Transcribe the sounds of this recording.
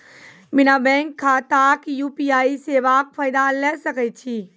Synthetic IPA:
bɪnabɛ̃ːŋkʰːãt̪akjuːpiaːiseːʋaːk̚faːɪd̪alɛsɐkət͡ʃʰiː

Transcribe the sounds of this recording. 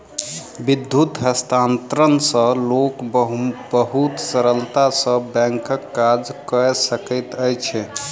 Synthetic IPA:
bid̪ʱːut̪ɦəst̪ʰant̪ɾənsə̃lok | bəɦut̪səɾəlt̪asəbɛ̃ŋkəkːad͡ʒkəesəkəjt̪əjt͡ʃʰɛ

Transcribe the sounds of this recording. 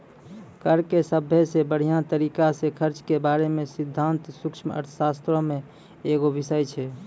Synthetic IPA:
kəɾkesəbʱjəsebəɽ̤ijãt̪əɾikasekʰəɾt͡ʃkebaɾemesid̪ʱːãnt̪sukt͡ʃʰmə̰ɾʰsast̪ɾomẽ | eɡoʋisəjt͡ʃʰɛ

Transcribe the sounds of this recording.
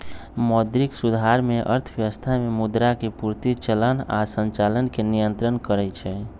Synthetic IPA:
mɔd̪ɾiksud̪ʱaɾmeʔə̰ɾt̪ʰbjəʋəst̪ʰamemud̪ɾakepuɾt̪it͡ʃələna̰sənt͡ʃalənkenijənt̪ɾənkəɾɛt͡ʃʰɛ

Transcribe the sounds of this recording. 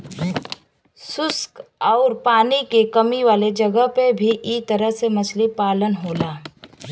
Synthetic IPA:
sʊskɔːɾpaːnikekɐmiʋaːled͡ʒɐɡəɦpebʱiʔiːt̪əɾəɦsemɐslipaːlənɦoːlaː

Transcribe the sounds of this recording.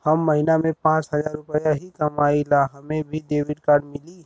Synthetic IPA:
həmːəɦinamẽpãt͡ʃɦəd͡ʒaɾːʊpəjaɦikəmailaɦəmebʱiɖebiɖkaɾɖmili

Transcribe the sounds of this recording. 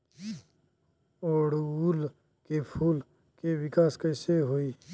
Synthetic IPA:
oːɽuːl | kepʰuːl | kewɪkaːskəseɦoiː

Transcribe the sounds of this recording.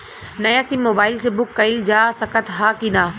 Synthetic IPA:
nɐjaːsimːoːbaːɪlsebʊkːɐɪld͡ʒaːsɐkət̪ɦaːkinaː

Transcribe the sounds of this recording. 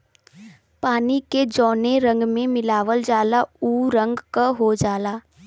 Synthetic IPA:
paːniked͡ʒɔːneɾə̃ŋɡmẽmɪlaːʋəld͡ʒaːlauːɾə̃ŋɡkaɦod͡ʒaːlaː

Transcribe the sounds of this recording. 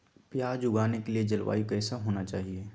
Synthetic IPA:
pjaːd͡ʒʊɡaːnekelied͡ʒɐlwa̰ːikɛːsaɦoːnat͡ʃaːɦieː

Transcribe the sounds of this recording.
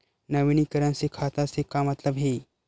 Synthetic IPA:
nəʋiɳ̃ikəɾãnsekʰat̪asekamət̪ləbɦe

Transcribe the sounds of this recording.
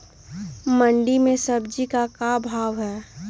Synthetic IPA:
məɳɖimẽsəbd͡ʒikakabʱaːʋɦɛː

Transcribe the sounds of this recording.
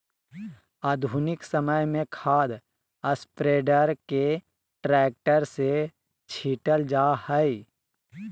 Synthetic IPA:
aːd̪ʱunɪksəməjmẽkʰaːd̪ | əspɾeːɖəɾke | ʈɾɛːk̚ʈəɾse | t͡ʃʰiːʈəld͡ʒaːhəi

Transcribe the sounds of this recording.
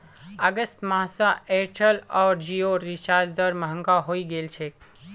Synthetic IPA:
əɡəst̪maɦsaeɾʈʰəlɔːɾd͡ʒioɾit͡ʃaːɾd͡ʒd̪əɾməɦə̃ŋɡaɦoiɡelt͡ʃʰe

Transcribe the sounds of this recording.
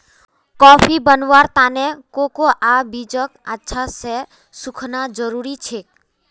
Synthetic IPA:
kɔpʰibənʋaɾt̪anekokoʔabid͡ʒəkatːʃʰase | sukʰnad͡ʒəɾuɾit͡ʃʰe

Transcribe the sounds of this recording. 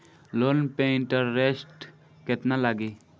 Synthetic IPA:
loːnpẽɪɳʈəɾːesʈ | ket̪nalaɡiː

